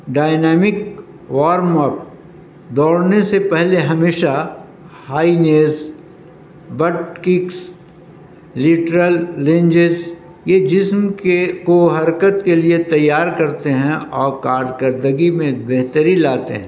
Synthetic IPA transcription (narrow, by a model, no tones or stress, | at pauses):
ɖaːɪnɛːmɪk | ʋaːɾmɔːp̚ | d̪ɔːɽnesepɛɦleɦɐmeːʃa | haːineːz | bɐʈkɪks | lɪʈɾəlːẽɲd͡ʒɪz | jed͡ʒɪsmkekoɦɐɾkət̪keliet̪ɐjːaːɾkɐɾt̪eɦɛ̃ɔːɾkaːɾkəɾd̪əɡimẽbeɦt̪əɾilaːt̪eɦɛ̰̃